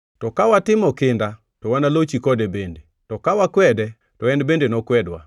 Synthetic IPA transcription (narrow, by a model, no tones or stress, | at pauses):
tɔkawatɪmɔkɪnda | tɔwanalot͡ʃikɔdɛbende | tɔkawakwɛdɛ | tɔɛndbendenɔkwɛdwa̰